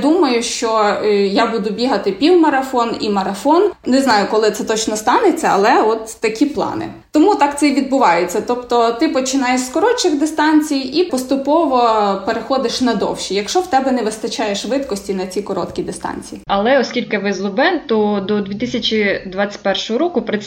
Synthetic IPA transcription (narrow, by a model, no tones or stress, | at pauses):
d̪umɐjʊʃt͡ʃɔjabud̪ʊbʲiɦɐt̪ɪpʲiwmɐɾɐfɔnḭmɐɾɐfɔnnɛznɑjʊkɔlˠɪt̪sɛt̪ɔt͡ʃnɔst̪ɑnet͡sʲːɐɐ̰lˠɛɔt̪ːɐkʲiplˠɑ̰nɪ̰ | t̪ɔmut̪ɑkt̪sɛʋʲid̪̚bʊʋɑjet͡sʲːɐt̪ɔpt̪ɔt̪ɪpɔt͡ʃɪnɑjeʃskɔɾɔt͡ʃɪxd̪ɪst̪ɑnʲt͡sʲijipɔst̪ʊpɔʋɔpeɾexɔd̪ɪʃnɐd̪ɔ̰wʃʲijɐkʃt͡ʃɔwt̪ɛbɛnɛʋɪst̪ɐt͡ʃɑjeʃʋɪt̪kɔsʲtʲinɐt͡sʲikɔɾɔ̰t̪kʲid̪ɪst̪ɑ̰nʲt͡sʲijiɐlˠɛɔsʲkʲilʲkɪʋɪzlˠʊbɛnt̪ɔd̪ɔd̪ʲʋʲit̪ɪsʲɐt͡ʃʲid̪ʋat͡sʲɪ̥t̚ʲpɛrʃɔɦɔɾɔkʊpɾɪ